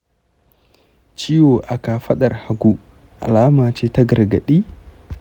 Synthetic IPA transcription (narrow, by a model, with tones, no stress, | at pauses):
t͡ʃi˦wo˨ʔa˨ka˨fɐ˦ɗɐ˨rha˨ɡu˦ | ʔa̰˨laː˦maː˨t͡ʃeː˦ta˦ɡɐ˨ɾɡɐ̰˨ɗiː˦